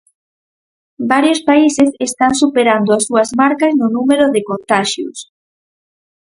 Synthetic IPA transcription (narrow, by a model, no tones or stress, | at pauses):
baɾjospaisesest̪aŋsupeɾand̪oasuɐzmaɾkɐznʊnumeɾoðekont̪aʃjṵs